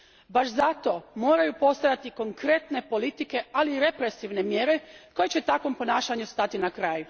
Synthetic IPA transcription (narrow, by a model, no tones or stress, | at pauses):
baʃzat̪o̞moːɾajupo̞st̪ajat̪iko̞ŋkɾe̞t̪ne̞po̞lit̪ike̞aliːɾe̞pɾe̞siʋne̞mje̞ɾe̞ko̞jet͡ɕe̞t̪akʋo̞mpo̞naːʃaɲust̪at̪inakɾaːju